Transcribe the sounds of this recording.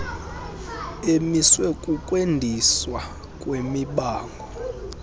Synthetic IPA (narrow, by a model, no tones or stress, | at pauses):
emiswɛkʼukʼwendʱiswa | kʼwemiɓaːŋɡʱɔ